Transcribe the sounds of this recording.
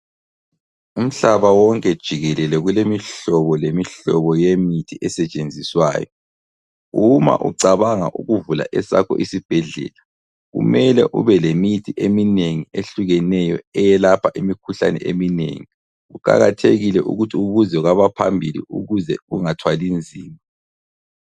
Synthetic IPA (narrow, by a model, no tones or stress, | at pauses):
um̩ɬaβawɔŋkʼɛd̥ʒ̥ʱiɣɛlɛlɛɣulemiɬɔβɔlemiɬɔβɔjemitʰiʔɛsɛt͡ʃʼend͡zʱiswa̰ːjɔ | uma̰ʔṵǀaβaŋa̰ʔuɣuvula̰ʔɛsa̰kʰɔ̰ʔisib̥ʱɛɮɛ̰ːla | ɣṵmɛlɛʔuβɛlemitʰiʔemineŋieɬuɣɛnɛjɔɛjɛlapʰaʔimikʰuɬa̰nɛ̰ʔeminḛŋi | ɣuǃa̰ɣatʰeɣilɛʔṵɣutʰiuβuzɛuɣaβapʰambʱilḭṵɣuzɛɣṵŋatʰwalind͡zʱiːma